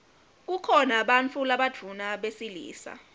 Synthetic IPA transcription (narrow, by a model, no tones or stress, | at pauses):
k̬ukʰɔnaɓant͡fʰulaɓad͡vʰʱunaɓesilḭːsa̰